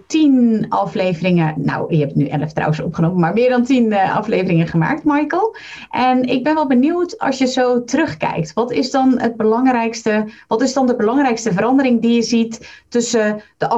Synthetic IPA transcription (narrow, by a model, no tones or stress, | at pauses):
tinɑ̰flejvərɪŋəna̰wɛpətnyʔɛ̰ləftra̰wəsɔ̰pχənoːməmaɹmɪːɹdɔntinɑ̰fleːvərɪŋəχəma̰ːk̚tmajkəl̩ˠ | ʔɛnɪɡ̚bɛnʋɛlˠbəniwtɑ̰sjəzowtərɵχkɛ̰jk̚tʋɑtɪzdɔnəd̚bəlɑŋrɛjkstəʋɑtɪsdɔndəbəlɑŋrɛjkstəvəɾɑndəɾɪŋdijəzitːɵsəd̥əʔ